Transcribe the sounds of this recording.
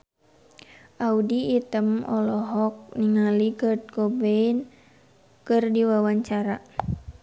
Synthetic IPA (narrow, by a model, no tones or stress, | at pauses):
ʔaudiːt̪əmɔlɔɦɔk̚niŋaliɡəd̪̚kobein | kɨrdiwawaɲt͡ʃaɾa